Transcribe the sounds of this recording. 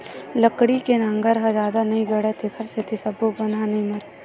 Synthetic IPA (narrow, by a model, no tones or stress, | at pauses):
lɐkɽikenãːŋɡəɾɦad͡ʒaːd̪anɐɦĩɡɐɽet̪ʰekʰəɾset̪ʰisɐbobɐnɦãnɐɦĩmɐɾ